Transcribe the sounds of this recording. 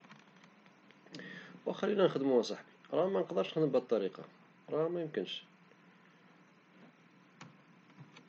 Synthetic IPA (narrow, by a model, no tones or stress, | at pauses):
wæxælːinænəxd̪əmuæsˤɑħbiɾˤɑhmænəqd̪əɾˤʃnəxd̪əmbt̪ˤːɑɾiqɑ̰ | ɾˤɑmæjəmkənʃ